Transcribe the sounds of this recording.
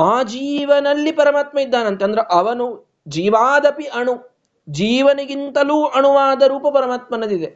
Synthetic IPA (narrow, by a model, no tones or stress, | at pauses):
aːd͡ʒiːʋɐnɐlːipɐɾɐmaːt̪mɐid̪ːaːnɐnt̪eɐnd̪ɐɾeʔɐʋɐnu | d͡ʒiːʋaːd̪ɐpiʔɐɳu | d͡ʒiːʋɐnɐɡint̪ɐluːʔɐɳuʋaːd̪ɐɾuːpɐpɐɾɐmaːt̪̚mɐnɐd̪id̪e